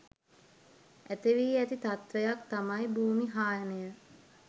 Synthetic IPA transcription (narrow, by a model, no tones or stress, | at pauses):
æt̪eʋiːæt̪it̪at̪ʋejakt̪amajbʱuːmiɦaːjənəjə